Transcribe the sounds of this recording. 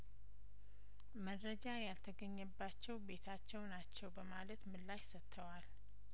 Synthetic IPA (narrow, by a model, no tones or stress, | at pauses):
məɾəd͡ʒajalt̪ʰəɡəɲːɛbːat͡ʃːɛwbe̞t̪ʰat͡ʃːɛwnat͡ʃːɛwbəmalət̪mɨlːajsət̪ʰːəwal